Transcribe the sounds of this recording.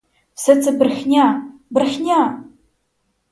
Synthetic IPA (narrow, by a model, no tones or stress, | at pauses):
sɐt͡sʰɨbɨrxʲnʲabɨrxʲnʲa